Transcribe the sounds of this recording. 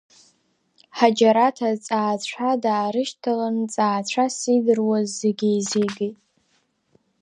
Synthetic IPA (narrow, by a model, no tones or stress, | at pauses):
ħad͡ʒaɾatʰat͡sʼaːt͡ɕʷʰadaːɾɨʃtʰalant͡sʼaːt͡ɕʷʰasidɨrwazːeɡʲijzeɡʲitʼ